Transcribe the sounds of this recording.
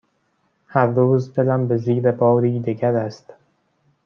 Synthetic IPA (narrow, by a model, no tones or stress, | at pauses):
hæɾd̪oːzd̪e̞læmbeziːɾe̞bɒːɾiːd̪eɡæɾæst̪